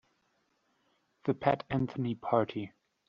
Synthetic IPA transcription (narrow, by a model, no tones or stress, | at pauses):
ðəpʰætæ̃nθənipʰɑɹɾʰi